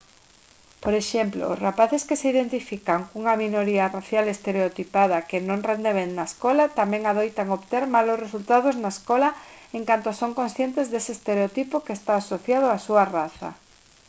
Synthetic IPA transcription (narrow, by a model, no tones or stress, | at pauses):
poɾeʃemplo̰ːsrapaθeskeseiðent̪ifikaŋkuŋɐminoɾiaraθjalest̪eɾeot̪ipað̞ɐkenõŋrend̪eβennaeskɔlat̪amɛ̃ŋaðojt̪aŋoβt̪eɾmalosresult̪aðʊznaeskɔlaeŋkant̪osoŋkõnsθjent̪ezðeseːst̪eɾeot̪ipokeːst̪aːsoθjað̞ʊasuaraθɐ̰